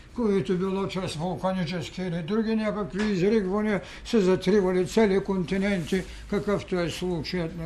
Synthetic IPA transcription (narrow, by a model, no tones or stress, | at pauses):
kojit̪ibilˠot͡ʃasʋulˠkanit͡ʃeskiːlid̪ɾuɡinɛkakʋiizɾiɡʋoni | sɛzɐt̪ɾiʋalit̪sʲelikont̪inɛnt̪i | kakaft̪ojɛslˠut͡ʃajat̪